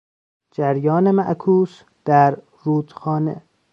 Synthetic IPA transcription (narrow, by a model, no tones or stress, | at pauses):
d͡ʒæɾjɒːnemæʔkʰuːs | d̪̥æɾ | ruːd̪̥xɒːnḛ